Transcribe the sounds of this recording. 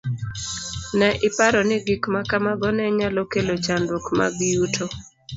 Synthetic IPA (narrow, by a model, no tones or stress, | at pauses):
nɛʔɪpaɾɔnɪɡikmakamaɡɔnɛɲalɔkelot͡ʃandokma̰ɡɪjutʰo